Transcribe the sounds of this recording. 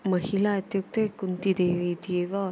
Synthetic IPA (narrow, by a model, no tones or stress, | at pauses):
mɐɦilɐːt̪juk̚t̪ekunt̪id̪eʋiːt̪ieʋa